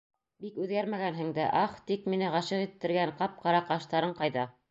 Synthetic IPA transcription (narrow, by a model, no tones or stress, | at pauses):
bikʉðɡæɾmæɡænɦɘ̆ŋd̪æ̰ʔɑχt̪ikminɘʁɑʃɤʁit̪ːɘ̆ɾɡæɴqɑp̚qɑɾɑqɑʃt̪ɑɾɤɴqɑjðɑ